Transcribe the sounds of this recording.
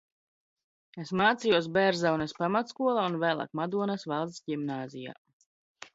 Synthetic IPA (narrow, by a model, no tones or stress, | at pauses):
esmaːt̪sijuɔs̬bɛɾzawnɛspamat̪skuɔlˠaːunvæːlˠa̰ːkmad̪uɔnasvalˠt̪sɟimnaːzija̰ː